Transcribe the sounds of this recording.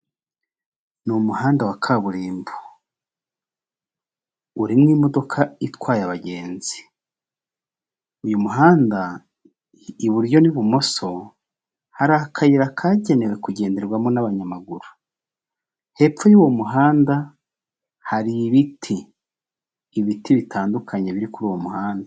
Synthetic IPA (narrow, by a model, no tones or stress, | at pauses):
numuɦaːndawakʰaβuɾiːmbu | uɾimŋiːmo̞do̞kʰaitwaːjaβaɟe̞ːnz̥i̥ | ujumuɦaːnda | iβuɾjo̞niβumo̞so̞ | haɾakʰajiɾakʰaɟe̞newe̞kuɟe̞ːnde̞ɾɡwamonaβaɲamaɡuɾu | he̞ːpfojuwo̞muɦaːnda | haɾiβitʰi | βitiβitʰaːndukʰaɲe̞βiɾikuɾuːwomuɦaːnda